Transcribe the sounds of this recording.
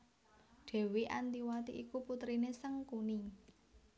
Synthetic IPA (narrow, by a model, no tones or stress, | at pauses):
ɖ̪̥ɛ̤wiʔant̪iwat̪ḭʔikuput̪ɾinesəŋkuni